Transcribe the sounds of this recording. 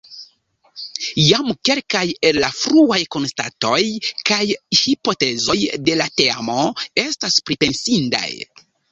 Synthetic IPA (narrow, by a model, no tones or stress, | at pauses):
jamke̞lkaje̞lːafɾuajko̞nsta̰to̞jkajhipo̞te̞zo̞jde̞lateamo̞e̞staspɾipe̞nsinda̰j